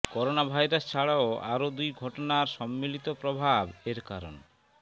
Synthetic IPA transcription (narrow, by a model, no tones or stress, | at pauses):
kɔɾonabʱajɾast͡ɕʰaɭaoa̰ɾod̪ujɡʱɔʈonaɾʃɔmːilit̪opɾobʱabeɾka̰ɾo̰n